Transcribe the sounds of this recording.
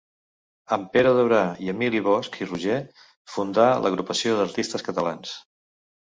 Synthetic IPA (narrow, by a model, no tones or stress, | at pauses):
əmpeɾəðəβɾaiəmiliβ̞ɔskʰiruʒe | fund̪alə̰ɣ̞ɾupəsioðəɾt̪ist̪əskət̪əlans